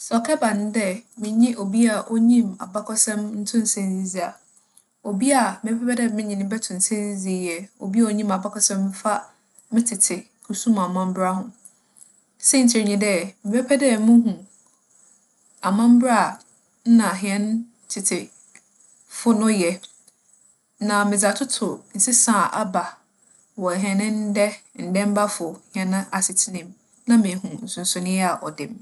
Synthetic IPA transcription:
sɛ˨ɔ˨kʰɛ˦bã˨ñ˦dɛ˦mɪ̃˨ɲĩ˦ʔo˨bi˦a˨ʔo˦ɲĩ˦ma̰˨ba˦kʰɔ˦sɛ̃˦mn̩˦tʰʊ̃˦n̩˨sɛ̃˦n˦zi˦zi˨a˨ | o˨bi˦a˨mɪ˨ɛ˦pʰɛ˦pɛ˦dɛ˦˨mɪ̃˦ɲĩ˨nɪ̃˦bɛ˦tʰʊ̃˨n̩˨sɛ̃˦nzi˦zi˨˦˨jɛ˨o̰˨bi˦a˦˨o˦ɲĩ˦ma˨ba˦kʰɔ˦sɛ̃˦m˦fa˦ | mɪ̃˦tʰɪ˨tʰɪ˨ | kʰu˨sũ˦ma˨mã˦m˦bɾa˦hʊ̃˨ | sɛ˦˨n̩˨tʰɪ˨ɾɲĩ˨dɛ˦mɪ˨bɛ˦pʰɛ˦dɛ˦mʊ̃˦ɦũ˨ | a˨mã˦m˦bɾa˦˨ | n̩˦nã˨ɦĩ˨ɛ̃˦n˦ | tʰɪ˨tʰɪ˨ | fʊ˦nʊ̃˦jɛ˨ | nã˨mɪ̃˨d͡za˨tʰʊ˦tʰʊ˨n̩˨sɪ˦sãː˦˨ʔa˦ba˨ | wɔ˨ɦɛ˨nɪ̃˦n̩˦dɛ˦n̩˨dɛ̃˦m˦ba˦fʊ˨hɪ̃˨ɛ˨nʊ̃˦ʔa˨sɪ˨tʰɪ˦nɪ̃˨m | nã˦mɪ̃˨hũ˨n̩˨sʊ̃˨n̩˨sʊ˨nɪ̃˦a˨ʔɔ̰˨dɪ̃˨m

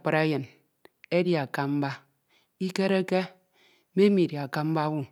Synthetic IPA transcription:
k͡pa˨ɾa˦jɨ˨n | e˦di˦˨a˨ka˦m̩˦ba˦ | i˦ke˦ɾe˦ke˦ | me˦mi˨dja˨ka˦m̩˦ba˦wu˦

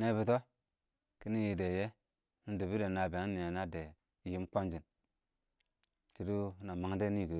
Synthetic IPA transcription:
ne˦bi˨to˦ | ki˦ni˦ji˨de˨je˦ | du˨bi˦de˨na˨be˨ŋ˦ni˨ja˨na˦de˨˦ | ji˦m˦k͡po˦nd͡ʒi˨n | t͡ʃi˨ɾu˦na˨ma˨ŋ˦de˦ni˦˨ɡə˨

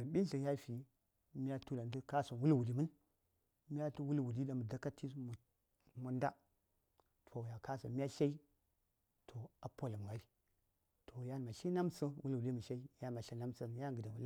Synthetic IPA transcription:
ə˨ɓi˦n˦ɬə˨ja˦fi˨ | mi˦a˦tu˦la˨n˦də˦ka˦so˨wu˦lwu˨li˨mɨ˦n | m˦a˦tu˦wu˦lwu˨di˦da˨mə˨da˦ka˦ti˦sm˨ | mu˨nda̰˦ | tʰo˨ja˨ka˦so̰˨mi˦a˦ʃa˦i˦ | tʰo˨a˨po˦la˨m˨ɡa˨˦li˦ | tʰo˨ja˦ma˨ɬi˦na˦msə˦wu˦lwu˨li˦mə˨ʃa˦i˦ja˦ma˨ɬa˦na˦msə˦m˦ja˦ŋɡə˨da˨wu˨˦a˦

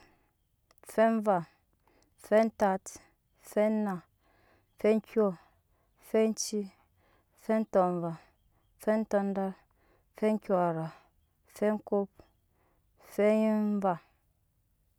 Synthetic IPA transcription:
fe˦ɱ˦va˨ | fe˦n̩˦ta˦t | fe˦na˨ | fe˦ŋ̩˦kʲo˦ | fe˦n̩˦t͡ʃi˦ | fe˦n̩˦tɔ˨ɱ˨va˨ | fe˦n̩˦tɔ˦n̩˦da˦ɾ | fe˦ŋ̩˦kʲo˦˨a˨ɾa˨ | fe˦ŋ̩˦ko˦p̚ | fe˦ɱ˦va˨

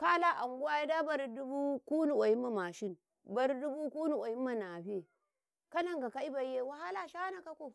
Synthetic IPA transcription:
ka˦la˦ʔa˨ŋɡu˦a˦i˦da˦ba˦ɾdu˦bu˦ku˦nu˨wa˨ji˦mːa˨ma˨ʃi˦n | ba˦ɾdu˦bu˦ku˦nu˨ʔa˨ji˦mːa˨na˨ɸe˨ | ka˦na˨ŋɡa˨ka˦i˦ba˨˦je˦˨wa˨ha˦la˦ʃa˦a˦na˨ka˦ko˦˨

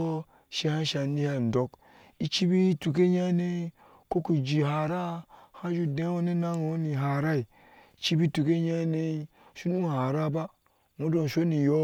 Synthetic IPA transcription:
ʃe˦ha˦ʃa˨ni˦ha˦˨n̩˨do˨˦k | i˦t͡ʃi˦bi˦tu˨ke˦ɲa˦ne˦ | ko˦ku˨d͡ʒi˨ɦa˨ɾa˦ha˦d͡ʒu˦de˦wo˦ne˦na˦ŋo˨˦ni˨ɦa˨ɾa˦i˨ | t͡ʃi˦bi˦tu˨ke˦ɲa˦ne˦ | ʃu˦nu˦˨ha˨ɾa˦ba˦ | mu˦do˨n˨ʃo˦ni˨jo˦

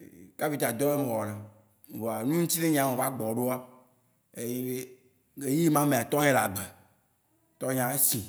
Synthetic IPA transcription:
ka˦pi˨t̪a˨d̪ɔ˦e˦me˨wɔ˨ɖe˨ | wo˨a˨nũ˦ŋ̩˦t̪i˦ne˦ɲ˦ã˨mẽ˨va˦ɡ͡bɔ˨ɖo˦a˦ | e˨je˦e˦ | ɡe˨ji˦mã˦mẽ˨a˨t̪ɔ˦ɦe˦la˨ɡ͡bɛ˨ | t̪ɔ˦ɲ˦ã˨e˦sĩ˨

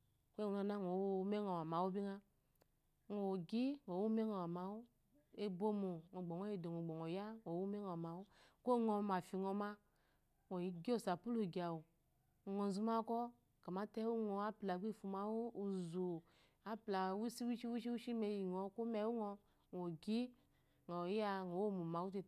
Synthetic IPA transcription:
kʷe˦˨u˨a˨na˦ŋ˨o˨wme˦ŋo˨a˨ma˨wu˦bi˦ŋa˦ | ŋo˨ɡi˦ŋo˨wu˦me˦ŋo˨wa˨ma˨wu˦ | e˦bo˦mo˨ŋo˨ɡ͡bo˨ŋo˦e˨do˨ŋo˨ɡ͡bɔ˨ŋo˨ja˦ŋʷo˨wu˦me˦o˨ma˨wu˦ko˦ŋo˧ma˨fi˨ŋo˧ma˦ | ŋʷo˨i˨ɡi˦o˦˨sa˨pu˦lu˨ɡi˨a˨wu˨ | ŋɔ˨zu˧ma˦kɔ˦ | ka˨ma˦tɛ˦wu˦ŋɔ˧a˦pla˨ɡʷi˦˨fu˧ma˨˦wo˦u˨zu˨ | a˦pla˨wu˦si˦wu˦ʃi˦wu˦ʃi˦wu˦ʃi˦me˧ji˨ŋɔ˨ko˦mɛ˧˦wu˦ŋɔ˧ | ŋ˨o˨ɡi˦ | ŋɔ˨ja˦˨ŋo˨wo˦˨mu˨ma˨˦wu˦te˧

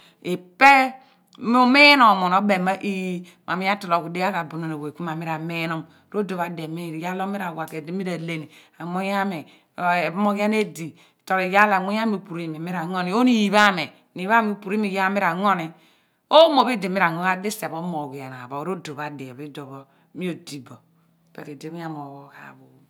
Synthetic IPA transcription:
i˨pe˦ | m˦u˦me˦no˨mo˨no˦be˨ma˦ʔi˦j | ma˨mi˦ja˦tɔ˨lo˨ku˨de˦a˦ka˨bu˨no˨ne˨we˨ku˦ma˨mi˦ɾa˨me˦no˦m˨ɾo˦do˨βa˨de˨mi˦ni˨ja˦lo˦mi˦ɾa˨wa˨ke˨di˦mi˦ɾa˨le˦˨ni˨ | a˨mo˦ja˦me˨˦˨ | mo˦ɣa˦ne˦di˨ | to˨ɾi˨ja˦la˨ŋo˦ja˦mi˨u˨pu˨ɾi˦˨me˨mi˦ɾa˨ŋo˦ni˨˦o˦ni˨ji˨βa˦me˨ | ni˨˦a˦mi˨pu˨ɾi˦mi˨ja˦mi˦ɾa˨ŋo˦ni˨ | o˦mo˨bi˦di˨mi˦ɾa˨ŋo˦a˦de˦se˨bo˦mo˨ɡi˨a˨n˨a̰˨βo˨˦ɾo˦do˨βa˨de˨bi˦do˨βɔ˦ | mi˦o˨di˦bɔ˨ | pɛ̰˨ɾi˨di˦mi˦a˦mo˨wo˦ka̰˨βo˨

